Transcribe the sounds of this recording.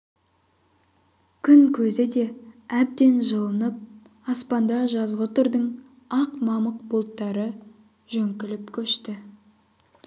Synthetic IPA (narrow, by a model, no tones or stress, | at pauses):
kʲʰʏŋkʲʰɵzɪd̪e̞æb̚d̪e̞nʒəlˠənəp̚ | ɑspɑnd̪ɑʒɑzʁət̪ʰʊɾd̪əɴ | ɑqmɑməqbolˠt̪ːɑɾə | ʒ̥ɵŋkʲɪlɪpkʲʰɵʃt̪ɪ